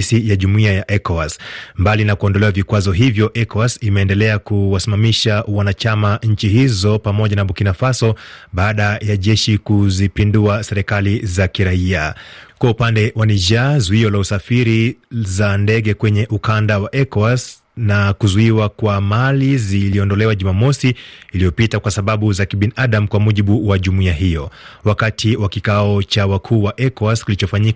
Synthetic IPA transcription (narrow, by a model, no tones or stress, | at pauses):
sijaʄumuiajaʔɛkɔasmbalinakuɔndɔlɛwavikwazɔɦivjɔʔɛkɔasimɛːndɛlɛakuwasimamiʃawanat͡ʃamaɲ̩t͡ʃihizɔpamɔʄanaɓukinafasɔɓaːɗajaʄɛʃikuzipinduasɛɾɛkalizakiɾaiakwaupandɛwʔaniʒazuiɔlausafiɾizandɛɠɛkwɛɲɛʔukandawaʔɛkɔas | nakuzuiwakwamaliziliɔndɔlɛwaʄumamɔsiːlijɔpitakwasaɓaɓuzakiɓiniʔaɗam̩kwamuʄiɓuwaʄumuiaɦijɔwakatʰiwakikaɔt͡ʃawakʰuːwaʔɛkɔaskilit͡ʃɔfaɲik